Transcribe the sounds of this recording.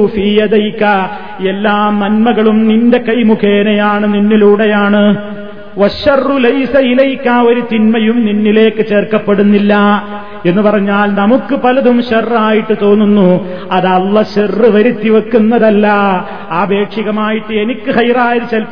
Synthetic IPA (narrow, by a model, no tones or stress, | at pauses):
fiːjɐd̪ɐjkɐ | elːaːmːɐnmɐɣɐɭumninde̞kɐjmukeːnɐjaːɳɨninːiluːɽejaːɳɨ | ʋɐɕɐrːulɐjsɐilɐjkːaːo̞ɾut̪inmɐjumninːile̞ːkːɨt͡ɕe̞ːrkːɐpːe̞ɽunːilːɐ | e̞nːɨpɐrɐɲːaːlnɐmukːɨpɐlɐðumɕɐrːaːjiʈːɨt̪o̞ːnːunːu | ɐðɐlːɐɕerːɨʋɐɾit̪ːiʋɐkːunːɐðɐlːɐ | aːbʱe̞ːkʂiɣɐmaːjiʈːɨe̞nikʲːɨxɐjraːjɐðt͡ɕel